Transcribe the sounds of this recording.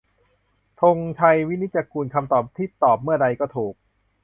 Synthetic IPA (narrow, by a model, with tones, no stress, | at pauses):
t̪ʰo˧ŋt͡ɕ̪ʰa˧jwi˦˥ni˦˥t̪̚t͡ɕa˧kuː˧nkʰa˧mt̪ɔː˨˩p̚t̪ʰiː˥˩t̪ɔː˨˩p̚mɯ˥˩ɐɾa˧jkɔː˥˩t̪ʰuː˨˩k̚